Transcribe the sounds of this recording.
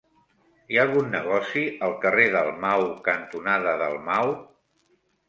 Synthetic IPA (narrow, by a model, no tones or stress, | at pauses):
ialˠɣunːəɣ̞ɔsiəlˠkəreðəlˠmawkənt̪unaðəðə̰lˠmaw